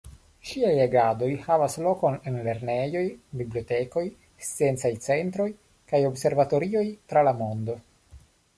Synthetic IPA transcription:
ʃiajeɡado̞jhavaslo̞konenle̞ɾnejo̞jbiblioteko̞j | st͡sient͡sajt͡sent̪ɾo̞j | kajo̞bse̞ɾvat̪o̞ɾio̞jt̪ɾalamond̪o̞

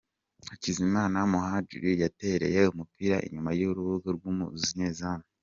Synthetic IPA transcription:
hacizimaːnamuɦad͡ʒṵɾijate̞ɾe̞̰je̞umupiɾaʔḭɲumajuɾuβuɡoɾɡumuziɲeːzaːmo

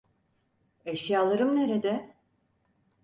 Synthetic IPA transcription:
eʃjaːlˠaɾɯmneɾed̪ɛ

